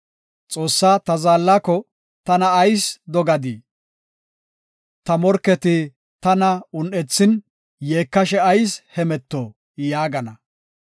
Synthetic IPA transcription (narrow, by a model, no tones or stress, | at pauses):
t͡sʼo̞ːsːaːt̪ɐzaːlːaːkɔ | t̪ɐnɐːjsd̪ɔɡɐd̪i | t̪ɐmɔɾkːɛt̪ɪ | t̪ɐnɐʊnɛt͡sːɪn | jeːkːɐʃɛɐjshɛmɛt̪ːɔ | jaːɡɐnɐ